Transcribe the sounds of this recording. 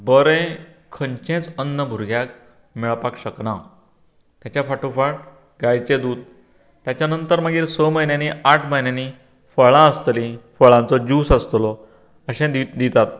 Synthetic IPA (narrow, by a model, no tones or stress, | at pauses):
bəɾẽ | kʰəɲt͡ɕẽt͡sənːəbʱuɾɡʱjak | miɭpakɕəkna | t̪jat͡ɕjafaʈufaʈ̚ | ɡajt͡ɕed̪uːd̪ | t̪jat͡ɕjanənt̪əɾməɡiːɾsɔməinjaniaʈʰməinjani | fəɭãəst̪lĩfəɭãnt͡sɔd͡ʑuːsəst̪lɔ | əɕẽd̪it̪at̪̚